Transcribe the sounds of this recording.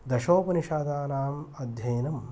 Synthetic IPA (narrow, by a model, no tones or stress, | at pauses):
d̪ɐʃoːpɐniʃaːd̪aːnaːmɐd̪ʱjɐːnɐm